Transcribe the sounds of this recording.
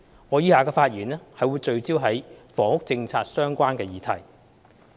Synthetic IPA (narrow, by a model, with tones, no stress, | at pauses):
ŋɔː˨˧jiː˥haː˨kɛː˧faː˧t̚jyː˨˩nɛː˥hɐ˨jwuː˨˧jt͡ʃɵ˧ɥt͡siː˥wɦɐ˨˥jfɔː˨ŋhʊ˥k̚t͡sɪ˧ŋt͡sʰaː˧t̚sœː˥ŋkʷaː˥nkɛː˧jiː˨˧t̪ʰɐ̰˨˩j